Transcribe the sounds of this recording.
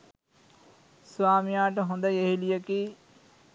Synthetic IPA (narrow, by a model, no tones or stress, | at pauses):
suʋaːmijaːʈəɦõnd̪əjeɦilijəkiː